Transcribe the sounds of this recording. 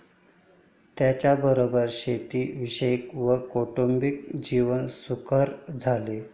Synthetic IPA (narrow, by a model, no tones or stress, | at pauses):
t̪jat͡ɕjabəɾobəɾɕet̪iːʋiɕəjikʋəkoʈombik̚d͡ʑiʋənsukʰəɾd͡zʱale